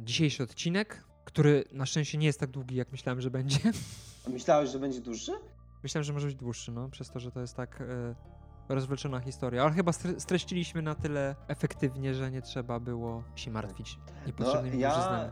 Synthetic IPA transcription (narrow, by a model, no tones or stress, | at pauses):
d͡ʑiɕejʂɘɔt̪t͡ɕinɛkː | t̪uɾɘnaʂt͡ʂɛ̃w̃ɕt͡ɕɛɲɛjɛst̪ːaɡ̚d̪wuɡʲijakmɘɕlawɛmʐɛbɛɲd͡ʑɛmɘɕlawɛɕʐɛbɛɲd͡ʑɛd̪wuʂɘ | mɘɕlawɛmʐɛmɔʐɛbɘd͡ʑd̪wuʂːɘnɔpʂɛst̪ɔʐɛt̪ɔjɛst̪ːak | ɾɔzvlɛt͡ʂɔnaxʲist̪ɔɾjaalɛxɘbast̪ɾɛst̪ɾɛɕt͡ɕilʲiɕmɘnat̪ɘlɛɛfɛkt̪ɘvɲɛʐɛɲɛtʂɛbabɘwɔɕɛma̰ɾt̪fʲit͡ɕ | ɲɛpɔt̪ʂɛbnɘmijaʐznaɲa